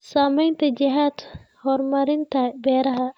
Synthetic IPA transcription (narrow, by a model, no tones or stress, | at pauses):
saːmɐjnt̪ɐd͡ʒiɦaːt̪hɔɾmɐɾint̪abɛɾɐɦa